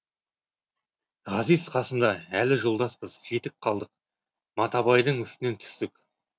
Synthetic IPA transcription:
ʁɑzijzqʰɑsənd̪ɑælɪʒolˠd̪ɑspəzχet̪ɪp̚qʰɑlˠd̪əq | mɑt̪ɑbɑjd̪əɴʏst̪ɪne̞nt̪ʰʏ̥st̪ɪkʲ

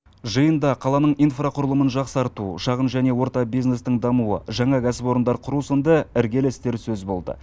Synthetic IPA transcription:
ʒəjənd̪ɑqʰɑlˠɑnəɴijnfraqʰʊɾəlˠəmənʒɑqsɑɾt̪uʃɑʁənʒæne̞wo̞ɾt̪ɑbijzne̞st̪ɪŋd̪ɑmuə̰ʒɑɴɑkʲʰæsɪpo̞ɾənd̪ɑɾqʰʊɾusənd̪əɪɾɡʲe̞lst̪e̞ɾsɵzbo̞lˠd̪ə̰

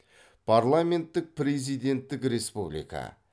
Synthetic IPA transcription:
pʰarlˠame̞nt̪ːɪk̚pɾe̞zijd̪e̞nt̪ːɪkɾe̞spublḭjka̰

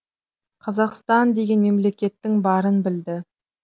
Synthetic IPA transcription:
qʰɑzɑqst̪ɑnd̪e̞ɡʲe̞nme̞mle̞kʲe̞t̪ːɪŋbɑɾənbɪld̪ɪ

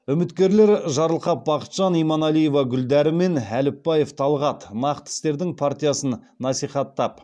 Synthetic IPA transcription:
ʏmɪt̪kʲe̞ɾle̞ɾʒɑɾəlˠqɑp̚bɑqə̥t̪ʒ̥ɑnijmɑnɑlˠije̞vɑɡʲʏld̪æɾɪme̞nælɪpːɑje̞ft̪ʰɑlˠʁɑt̪nɑqt̪ɪ̥st̪e̞ɾd̪ɪŋpʰart̪ʲijasənːɑsijχɑt̪ːɑp

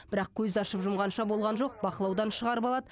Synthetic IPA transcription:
bɪɾɑqkʲʰɵzɪɑʃəpʒʊmʁɑnʃɑbo̞lˠʁɑnʒo̞q̚bɑqəlˠɑwd̪ɑnʃəʁɑɾəpɑlˠɑd̪ə

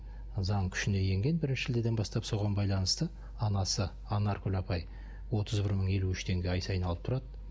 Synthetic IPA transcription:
zɑɴkʲʰʏ̥ʃɪne̞je̞ŋɡʲe̞nbɪɾɪnʃɪʒɪld̪e̞d̪ebɑst̪ɑpso̞ʁɑnbɑjlˠɑnəst̪ə | ɑnɑsə | ɑnɑɾkʰɵlʲɑpɑj | wo̞t̪ʰəzbɪɾməɴe̞luʏʃt̪ʰe̞ŋɡʲe̞ɑjsɑjənɑlˠəp̚t̪ʰʊɾɑd̪ə

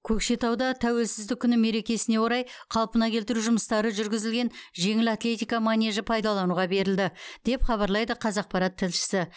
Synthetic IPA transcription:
kʲʰɵkʃe̞t̪ɑwd̪ɑt̪ʰæwe̞lsɪzd̪ɪkʲʰːʏnɪme̞ɾe̞kʲe̞sɪne̞wo̞ɾɑjqʰɑlˠpənɑkʲʰe̞lt̪ɪɾuʒʊməst̪ɑɾəʒʏɾɡʲɪzɪlɡʲe̞nʒe̞ŋɪlat̪lʲe̞t̪ʲijkɑmanʲeʒəpʰɑjd̪ɑlˠɑnuʁɑbe̞ɾɪld̪ɪd̪̥e̞pχɑβɑɾlˠɑjd̪əqʰɑzɑq̚pɑɾɑt̪ʰːɪlʃɪ̥sɪ

